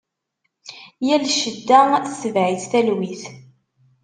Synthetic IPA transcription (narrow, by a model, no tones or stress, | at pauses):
jælʃəd̪ːæθsəvʕiθθælwiθ